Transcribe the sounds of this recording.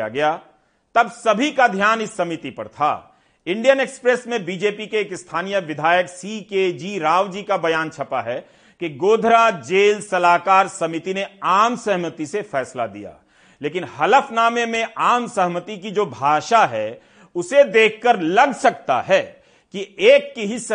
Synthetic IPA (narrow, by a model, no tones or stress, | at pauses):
a̰ɡɐjaː | t̪ɐbsɐbʱikad̪ʱjaːnɪsːɐmit̪ipɐɾt̪ʰa̰ː | ɪ̃ɳɖijəneːkspɾesmẽbiːd͡ʒeːpikeːkɪst̪ʰaːnijəʋɪd̪ʱaːjəksiːkeːd͡ʒiːɾaːʋd͡ʒiːkabɐjaːnt͡ʃʰɐpaɦɛ | kiɡoːd̪ʱɾad͡ʒeːlsɐlaːkaːɾsɐmɪt̪ineaːmsɐɦmət̪isefɛːsla̰d̪ḭja̰ː | leːkɪnhɐləfnaːmemẽaːmsɐɦmət̪ikid͡ʒoːbʱaːʃaɦɛ | ʊsed̪eːkʰkːəɾlɐɡsɐk̚t̪a̰ɦɛː | kieːkːiɦɪs